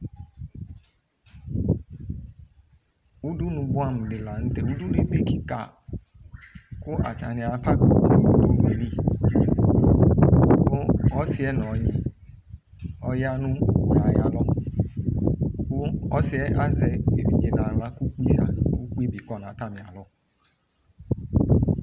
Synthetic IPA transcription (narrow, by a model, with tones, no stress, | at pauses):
wu˦du˦nũ˨bu˦a˦m˨ɖɪ˨la˨ŋũ˦t̪e˨wu˦du˦ne˦be˦ki˦ka̰˨ | ku˦ʔa̰˨ta˨nĩ˨a˨pʰa˦ke˨u˨u˦du˦nẽ˨ni˦ | ɔ˦si˨˦ɛ˦nɔ̃˨˦ɲḭ̃˦˨ | ɔ˦ja˦nũ˦we˨a˨ja˨lɔ˦ | ku˦ɔ˦si˨˦ɛ˦a˦zɛ˨e˨vi˨d͡ʒe˨nã˨la˦ku˦k͡pi˦sa̰˨wu˦k͡pe˦bi˨kɔ˦nã˨t̪a˦mĩ˨a˨lɔ˦